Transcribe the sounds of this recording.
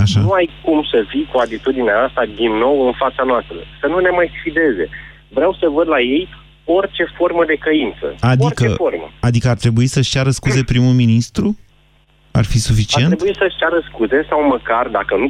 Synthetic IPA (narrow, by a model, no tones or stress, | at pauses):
aʃauajkumsəfijkuat̪it̪ud̪ineaast̪ad̪inːo̞wɨnfat̪sanoast̪ɾə̰sənune̞majsfid̪e̞ze̞̰ | vɾeawsəvəd̪laje̞j | o̞rt͡ʃe̞fo̞rməd̪e̞kəint̪sə̰ad̪ikəeformə̰ad̪ikəart̪ɾe̞buisəʃt͡ʃʲjaɾəskuze̞pɾimuminist̪ɾu | a̰rfisufit͡ʃiie̞nɾeuisəʃt͡ʃjaɾəskuze̞sawməkard̪akənu